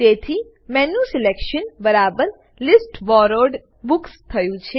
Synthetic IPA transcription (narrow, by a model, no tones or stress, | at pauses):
t̪et̪ʰi | mɛnũsilekʃənbəɾabəɾ | lisʈʋɔɾoɾɖ | bukst̪ʰəjũt͡ʃʰe